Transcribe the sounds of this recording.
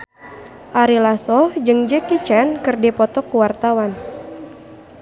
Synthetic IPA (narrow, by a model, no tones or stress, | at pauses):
ʔaɾilasɔhd͡ʒɨŋd͡ʒɛkit͡ʃankɨrdipɔt̪ɔkuwart̪awan